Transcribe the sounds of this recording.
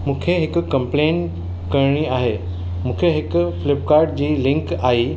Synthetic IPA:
mũːkʰeɦɪkkɐ̃mplẽːn | kɐɾɽ̃iaːɦe | mũːkʰeɦɪkʊflɪp̚kaːɾɖ̚d͡ʑiːlɪ̃ŋkaːiː

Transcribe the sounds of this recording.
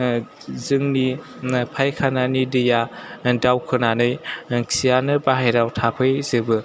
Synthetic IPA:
zɯŋni | pʰajkʰananidɯjadawkʰɯnanɯjkʰijanɯbaɦejɾawtʰapʰɯjzɯbɯ

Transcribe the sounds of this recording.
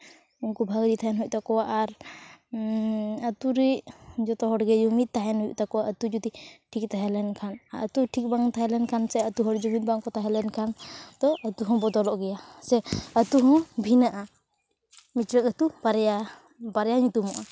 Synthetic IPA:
unkubʱaɡɾit̪ʰaɦɛnɦuc̚ˀt̪akɔwaʔaɾ | ət̪uɾɛd͡ʒɔt̪ɔɦɔɖɡɛd͡ʒumit̪̚t̪aɦɛnɦuʔ̚t̪akɔwaʔət̪ud͡ʒut̪iʈʰik̚t̪aɦɛlɛnkʰanaət̪uʈʰik̚baŋt̪aɦɛlɛnkʰansɛət̪uɦɔɽd͡ʒumit̪̚baŋkɔt̪aɦɛlɛnkʰand̪ɔət̪uɦɔ̃bɔd̪ɔlɔʔɡɛjasɛət̪uɦɔ̃bʱinaʔa | mit͡ʃɾəkət̪ubaɾja | baɾɛjaɲũt̪umɔʔa

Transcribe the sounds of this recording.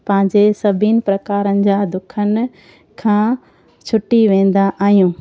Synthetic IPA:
pɐ̃ɦɪ̃ɲd͡ʑesɐbʱinɪ̆pɾɐkaːɾənɪ̆d͡ʑaːd̪ʊkʰənɪ̆ | kʰãː | t͡ɕʰʊʈiʋẽːn̆d̪aʔaːɦijũː

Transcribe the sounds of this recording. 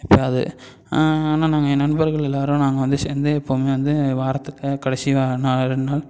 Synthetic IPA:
ɪpːoɐðɯ̰ | aːnaːnaːŋɡɐnɐnɯbɐɾɣɐɭɛlːaːɾɯ̃naːŋɡɐʋɐnd̪ɯseːnd̪ɯɛpːoːmeːʋɐnd̪ɯʋaːɾɐt̪ːɯkːɐkɐɽɐsɪʋaːnaːɾɯnːaːl

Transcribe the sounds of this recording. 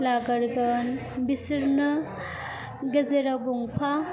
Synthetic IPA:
laɡɐɾɡɐn | bisiɾnɯ | ɡɐzeɾaɡuŋpʰa

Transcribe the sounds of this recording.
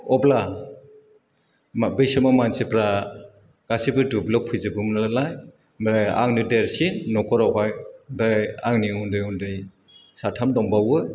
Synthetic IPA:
ɔbla | mbɯjsɯmamansipɾa | ɡ̥asibɯdublɔpʰɯjzɯbɯmnalalaj | ma̰ŋnɯdeɾsinːɔkʰɔɾɔpajdajaŋniundɯjundɯj | satʰamdɔmbawɯ

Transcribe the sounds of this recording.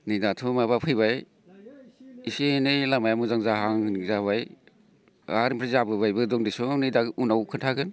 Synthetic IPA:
nɯjdatʰumabapʰɯjβaj | isenɯjlamajamuzaŋzaɦaŋnizaβaj | aɾmpʰɾizabɯbajbɯdɔŋdisɔnɯjdaunawkʰɯntʰaɡɯn

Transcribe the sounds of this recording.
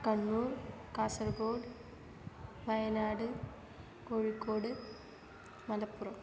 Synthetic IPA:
kɐɳːuːrkaːsɐrɡoːɽ | ʋɐjɐnaːɽɨ | koːɻikːoːɽɨ | mɐlɐpːurɐm

